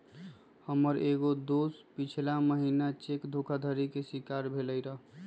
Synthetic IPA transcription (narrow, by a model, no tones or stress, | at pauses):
həməɾeɡod̪ospit͡ʃʰlaməɦinat͡ʃekd̪ʱokʰad̪ʱəɾikesikaɾbʱeləjɾəɦ